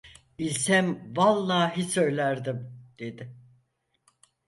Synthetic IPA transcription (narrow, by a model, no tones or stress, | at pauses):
b̥ilʲsæmvalˠnaːɦisø̞jlʲæɾd̪imd̪̥e̞d̪ɪ